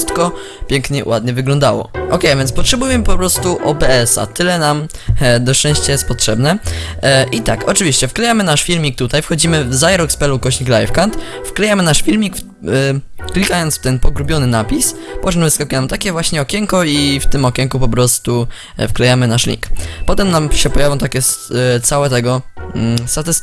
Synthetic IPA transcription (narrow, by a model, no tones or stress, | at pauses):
st̪kɔ | pʲjɛŋkɲɛṵwad̪ɲɛvɘɡlɔ̃nd̪awɔ̰ʔɔkɛjavʲjɛntspɔtʂɛbujɛmɘpɔpɾɔst̪uʔɔpɛɛsa̰t̪ɘlɛnam | d̪ɔʂt͡ʂɛ̃ɕt͡ɕajɛst̪̚pɔtʂɛbnɛ | ʔit̪akɔt͡ʂɘvʲiɕt͡ɕɛfklɛjamɘnaʂfʲilmʲik̚t̪ut̪ajfxɔd͡ʑimɘvzajɛɾɔkspɛlukɔɕɲiklajfkant̪ | fklɛjamɘnaʂfʲilmʲikf | klʲikajɔnt̪sft̪ɛnpɔɡɾubʲjɔnɘnapʲispɔt͡ʃnmɨskɔkʲiɛnamt̪akʲɛvwaɕɲɛɔkʲɛŋkɔift̪ɘmɔkʲɛŋkupɔpɾɔst̪u | fklɛjamɘnaʂlʲḭkpɔt̪ɛmnamɕɛpɔjavjɔ̃t̪akʲɛst̪sawɛt̪ɛɡɔ | st̪at̪ɛs